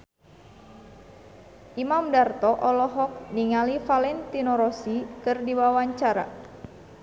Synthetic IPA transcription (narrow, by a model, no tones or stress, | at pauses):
ʔimamdart̪ɔʔɔlɔɦɔk̚niŋalifalɛnt̪inɔɾɔsikɨrdiwawaɲt͡ʃaɾa̰